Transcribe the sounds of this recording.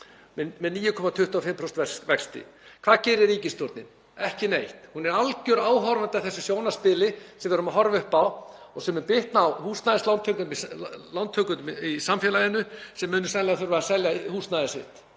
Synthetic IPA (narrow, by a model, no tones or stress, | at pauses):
mɛmɛðniːjʏkʰɔmat̪ʰʏht̪uafɪmpʰɾɔst̪vɛvɛkst̪ɪ̰kʰv̥aːðcɛːɾɪɾɾiːcɪst̪jɔɾt̪nɪm | ɛhcɪnejht̪hunɛɾalcʏɾaːwɦɔɾvant̪aθɛsːʏsjoːwnaspɪlɪsɛmvɛɾʏmaɦɔɾvʏhpaw | ɔsɛmʏnpɪht̪nawhuːst̪naðɪslant̪ʰœk̪mislawnt̪ʰːœkʏnʏmisamfjɛlaðɪnʏsɛmːʏːnʏ̥sɛljaθʏɾvaasɛljahuːsnaðɪsɪ̰ht̪